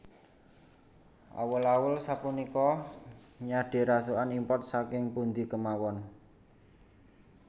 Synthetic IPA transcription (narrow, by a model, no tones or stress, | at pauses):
ʔa̰wəlawəlsapunikɔ | ɲaɖ̥e̤ɾasoanimpɔt̪̚sakɪŋpund̪ikəmawɔn